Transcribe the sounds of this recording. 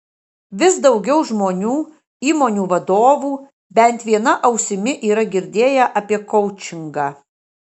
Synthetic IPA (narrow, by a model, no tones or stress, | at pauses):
ʋʲɪsd̪ɒʊɡʲɛʊʒmoːnʲuː | iːmoːnʲuːʋɐd̪oːʋuː | bʲɛnʲt̪ʋʲiɛnɐʔɐʊsʲɪmʲɪʔiːɾɐɡʲɪɾʲd̪ʲeːjɛʔɐpʲiɛkɔʊt͡ʃʲɪŋɡɑː